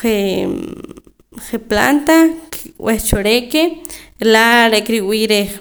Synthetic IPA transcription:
χe | χepla̰nt̪akweχt͡ʃoɾekelaɾeʔkɾiʔwiːɾeχ

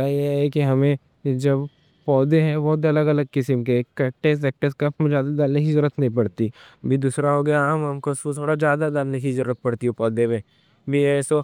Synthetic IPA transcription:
ajeɦɛkiɦɐmẽ | d͡ʒɐb | pɔːd̪eɦɛ̃bɔːt̪ɐləɡɐləɡ̚kɪsəmkekɐʈes̬ɛk̚ʈəskɐpʰmẽd͡ʒjaːd̪ad̪aːlekizʊɾət̪nɐɦĩpɐɽt̪iɐbʱid̪uːsɾaɦoɡɐjamɦɐmkost̪ʰoːɽad͡ʒjaːd̪ad̪aːlnekizʊɾːət̪̚pɐɽt̪iɦũpɔːd̪emẽ | bʱiɛso

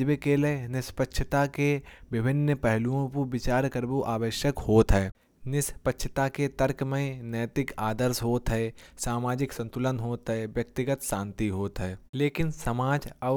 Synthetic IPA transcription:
ʋekelenɪspətːʃʰət̪akeʋɪbʱɪnːəpɛɦluõpubɪt͡ʃaːɾkəɾbuʔaːʋəʃjəkhoːt̪ɦɛː | nɪspətːʃʰə̥t̪aket̪əɾkmẽnəːt̪ɪkaːd̪əɾsɦoːt̪ɦɛsaːmaːd͡ʒɪksə̃nt̪ʊlənɦoːt̪ɦɛʋjɐk̚t̪ɪɡət̪ʃãːnt̪iɦoːt̪ɦɛːleːkɪnsəmaːd͡ʒɐ

